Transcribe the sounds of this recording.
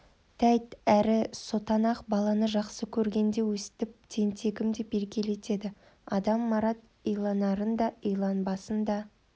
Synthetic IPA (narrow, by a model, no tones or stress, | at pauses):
t̪ʰæjt̪æɾɪso̞t̪ɑnɑqbɑlˠɑnəʒɑqsəkʲʰɵɾɡʲe̞nd̪e̞wɵsɪ̥t̪ɪp̚t̪ʰe̞nt̪ʰe̞ɡʲɪmd̪e̞pe̞ɾkʲe̞le̞t̪e̞d̪ɪ | ɑd̪ɑmːɑɾɑt̪̚ | ijlˠɑnɑɾənd̪ɑijlˠɑnbɑsənd̪ɑ